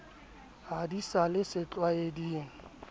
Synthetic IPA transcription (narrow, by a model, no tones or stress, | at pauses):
ɦadisalɪsɪt͡ɬʼwaediːŋ̩